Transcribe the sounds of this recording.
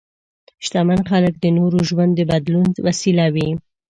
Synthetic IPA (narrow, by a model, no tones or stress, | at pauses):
ʃt̪amanxalək̚d̪ənoɾoʒwand̪ːəbad̪lunwasilawi